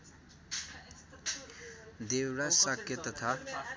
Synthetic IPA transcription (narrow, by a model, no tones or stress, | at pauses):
d̪ewɾasakjʌt̪ʌt̪ʰa